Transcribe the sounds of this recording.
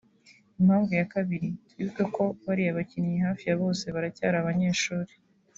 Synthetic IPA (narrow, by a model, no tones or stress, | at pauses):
im̥haːɱvujakaβiɾi | iɡeko̞βaɾiaβacinijehaːfijaβo̞ːse̞βaɾacaːɾaːβaɲe̞ːʃuːɾe̥